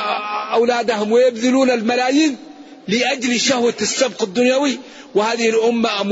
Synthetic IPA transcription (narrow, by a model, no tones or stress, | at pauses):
ʔawlaːd̪ahʊmwɪjɪbðɪluːnalmalaːjiːn | lɪʔad͡ʒlʃahwasːab̚qɪd̪ːʊnjawi | wɪhaːðɪhɪlʔʊmːaʔam